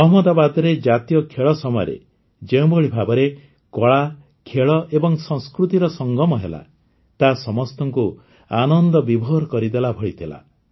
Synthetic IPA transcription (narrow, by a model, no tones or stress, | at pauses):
ɔɦɔmɔd̪abad̪ɔɾed͡ʒat̪ijɔkʰeɭɔsɔmɔjɔ̰ɾḛ | d͡ʒeũbɔɭibʱabɔɾe | kɔɭa | kʰeɭɔʔebɔŋsɔŋskɾut̪iɾɔsɔŋɡɔmɔɦela̰ | t̪asɔmɔst̪ɔŋku | anɔnd̪ɔbibʱɔɦɾkɔɾid̪elabʱɔɭit̪ʰila̰